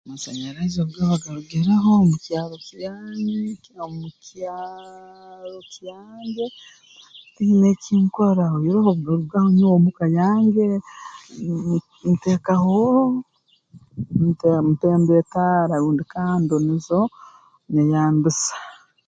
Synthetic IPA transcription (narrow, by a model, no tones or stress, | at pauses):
masaɲaɾazoβɡaβaɡaɾuɡiɾeɦomucjaːɾocijaːɲe | omucaː | ɾocijaːɲɟe̞ | tineciːŋkoɾaojiɾehoβɡoɾuβɡahoɲuwomukajaːɲɟe̞ | mteːkahoɾo | mtemuteːmbetaːɾauːndikaːndonizo | nejaːnbisḁ